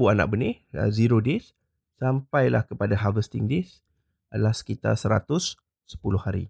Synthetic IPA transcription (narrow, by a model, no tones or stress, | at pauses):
uana̰ʔ̚bənɪhə̰ziɾodes | sampajla̰hkəpadaɦavəst̪iŋdes | əlahsə̥kit̪a̰rsəɾa̰t̪ʊsː | ə̥pulʊhaɾḭ